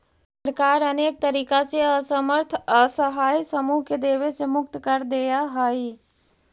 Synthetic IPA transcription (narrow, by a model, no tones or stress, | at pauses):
səɾkaːɾəneːk̚t̪əɾiːkaseəsəməɾt̪ʰəsəɦaːjsəmuɦked̪eːʋesemʊk̚t̪kəɾd̪ejaɦəi